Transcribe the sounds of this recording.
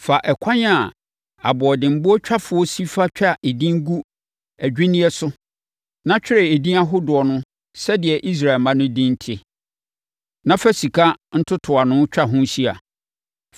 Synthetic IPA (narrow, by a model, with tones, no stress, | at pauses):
fa˨ʔɛ˨kʰã˦ɲ˦a˨ | a̰˨bʊ˨ɔ˨dɪ̃˨m̩˨bʊ˦ɔ˦t͡ɕᶣʰa˦fʊ˨ɔ˦si˦fa˦t͡ɕᶣa˦ʔe˨dĩ˦ŋ˦ɡu˦ | æ˨d͡ʑᶣĩ˦nĩ˦ɛ˦sʊ˦ | nã˦t͡ɕᶣɪ˦ɾɛ˨e˨dĩ˦a˦ɦʊ˦dʊ˨ɔ˨nʊ̃˦ | sɛ˦dɪ˨ɛ˨ʔi˦s̬ɾa˨ɪ˨mã˦nʊ̃˦dĩ˦n̩˦tʰɪ˦ | nã˦fæ˦si˨kʰa˦n̩˦tʰʊ˦tʰʊ˨a˨nʊ̃˦t͡ɕᶣa˦ɦʊ̃˦ɕi˦a̰˨